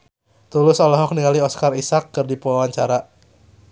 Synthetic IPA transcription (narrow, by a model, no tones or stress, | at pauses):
t̪ulʊsɔlɔɦɔk̚niŋaliɔskarisakːɨrdipulawaɲt͡ʃaɾa